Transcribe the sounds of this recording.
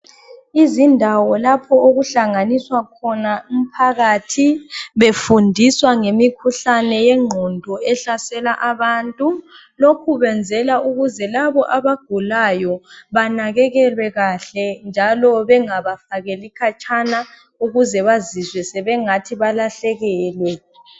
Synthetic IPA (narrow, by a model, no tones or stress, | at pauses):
izindʱawɔlapʰɔoɣuɬaŋaniswakʰɔnaum̩pʰaɣaːtʰiβefundʱiswaŋemikʰuɬanɛjɛŋ͡ǃʱɔndʱɔɛɬasɛlaʔaβantʼu | lokʰuβɛnd͡zʱɛlauɣuzɛlaβɔʔaβaɡ̥ʱulajɔβanaɣɛɣɛlwɛɣaɬɛnd͡ʒʱalɔβɛŋaβafaɣelikʰat͡ʃʰʼana | uɣuzɛβazizwɛsɛβɛŋatʰiβalaɬɛɣɛlwɛ